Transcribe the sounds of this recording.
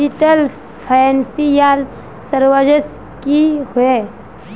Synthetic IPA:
iʈəl | pʰansijal | səɾwəd͡ʒəs | kihʊe

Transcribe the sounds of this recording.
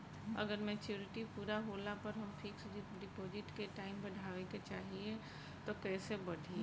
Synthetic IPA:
ɐ̰ɡəɾmɛ̃t͡ʃjuːɾɪʈipuːɾaɦoːlapəɾɦɐmpʰiksd͡ʒɪɖɪpoːd͡ʒɪʈkeʈaːɪmbəɽʱaːʋeket͡ʃaːɦie | t̪okɛːsebɐɖʱie

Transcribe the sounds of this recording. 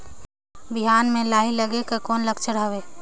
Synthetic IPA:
bɪɦaːnmẽlaːɦiləɡekekɔːnləɡt͡ʃʰəɽaːʋeː

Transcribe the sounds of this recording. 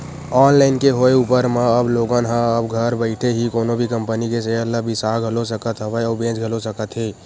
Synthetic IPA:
ɔːnlaɪnkeɦoeupəɾmaəbloːɡənɦə̃əbɡʱəɾbəɪʈʰeɦikoːnobʱikəmpənikes̬eəɾləbʱisaɡʱəlosəkət̪ɦəbəɔːbẽːt͡ʃɡʱəlosəkət̪ɦe

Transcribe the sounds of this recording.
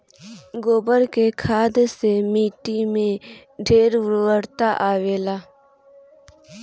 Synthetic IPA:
ɡoːbəɾkekʰaːd̪semiːʈimẽ | ɖʱeːɾʋɾːəɽt̪aʔaːʋeːlaː

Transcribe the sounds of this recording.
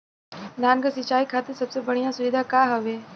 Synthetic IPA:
d̪ʱaːnkasɪt͡ʃaːikʰaːt̪esɐbsebɐɽ̤ijãsʊʋɪd̪ʱakaːɦɐʋeː

